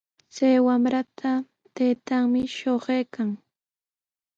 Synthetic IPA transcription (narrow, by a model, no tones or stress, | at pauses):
t͡sajwamɾat̪ʰa | t̪ejt̪aŋmɪʃoɢejkaŋ